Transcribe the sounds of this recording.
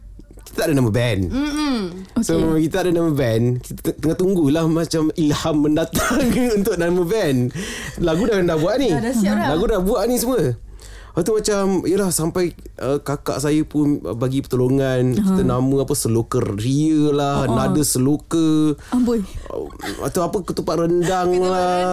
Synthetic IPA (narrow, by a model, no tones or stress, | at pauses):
kit̪ət̪aʔdənaməbɛn | sokit̪ət̪aʔdənaməbɛnkit̪t̪əŋaht̪uŋɡuilahmat͡ʃamilhamːəndat̪aŋunt̪ʊʔnaməbɛnlaɡudahkəndahbuaʔnilaɡudahbuaʔnĩs̬əmə | at̪umat͡ʃamiəlahsampajəkaka̰ʔsajəpʊnə̰baɡipət̪oloŋankit̪ənaməapəsəlokərriəlahnadəsəlokə | a̰t̪awapəkət̪upaʔrəndaŋla